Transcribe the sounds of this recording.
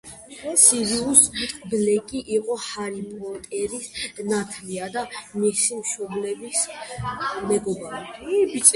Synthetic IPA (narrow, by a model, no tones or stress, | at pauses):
siɾiusblɛkʼiʔiqʼɔhaɾipʼɔt̪ʼɛɾisnat̪ʰliad̪amisimʃɔblɛbis | mɛɡɔbaɾi